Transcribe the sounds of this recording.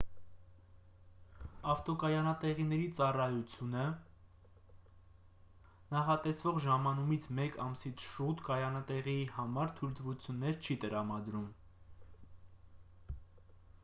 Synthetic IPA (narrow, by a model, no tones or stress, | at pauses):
ɑft̪ɔkɑjɑnɑt̪ɛʁinɛɾit͡sɑrɑjut͡sʰjunə | nɑχɑt̪ɛsvɔʁʒɑmɑnumit͡sʰmɛkɑmsit͡sʰʃut̪kɑjɑnɑt̪ɛʁiihɑmɑɾt̪ʰujlt̪vut͡sʰjunːɛɾt͡ʃʰit̪əɾɑmɑd̪ɾum